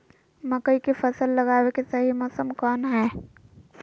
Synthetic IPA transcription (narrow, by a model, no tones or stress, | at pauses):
məkəikepʰəsəlːəɡaːwekesəɦimɔːsəmkɔːnɦɛː